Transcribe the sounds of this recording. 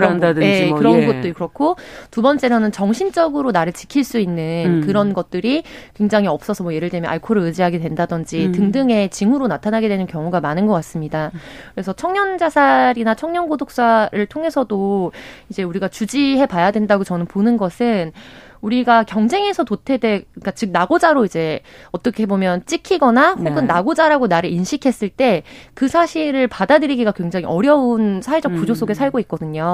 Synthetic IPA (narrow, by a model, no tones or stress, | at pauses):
ndaje̞kɯɾʌnɡʌt̚t͈ɯkɯɾʌkʰotubʌnt͡ɕ͈e̞nʌnɯnt͡ɕʌŋɕʰint͡ɕ͈ʌɡɯɾonaɾɯɭt͡ɕi̥kʰiɭs͈uinːɯnkɯɾʌnɡʌt̚t͈ɯɾikwe̞ŋd͡ʑaŋɦiʌp̚s͈ʌsʰʌmwʌje̞ɾɯɭdwemjʌnʔaɭkʰoɾɯɾɯd͡ʑiɦaɡedwendadʌnd͡ʑitɯŋdɯŋe̞t͡ɕiŋɦuɾonatʰanaɡe̞dwe̞nɯnkjʌŋuɡamanɯnɡʌk͈as͈ɯmɲidakɯɾe̞sʰʌt͡ɕʰʌŋɲʌnd͡ʑasʰaɾinat͡ɕʰʌŋɲʌnɡodok̚s͈aɾɯɭtʰoŋe̞sʰʌdoid͡ʑe̞uɾiɡat͡ɕud͡ʑiɦe̞pajadwe̞ndaɡot͡ɕʌnɯnponɯnɡʌsʰɯn | uɾiɡakjʌŋd͡ʑe̞ŋe̞sʰʌtotʰe̞de̞k͈at͡ɕɯk̚naɡod͡ʑaɾoid͡ʑe̞ʌt͈ʌkʰeɦebomjʌnt͡ɕ͈ikʰiɡʌnaɸoɡɯnːaɡod͡ʑaɾaɡonaɾɯɾinɕʰikʰe̞s͈ɯɭt͈e̞kɯsʰaɕʰiɾɯɭpadadɯɾiɡiɡakwe̞ŋd͡ʑaŋiʔʌɾjʌunsʰawe̞d͡ʑʌk̚pud͡ʑos͈oɡe̞sʰaɭɡoik̚k͈ʌdɯɲo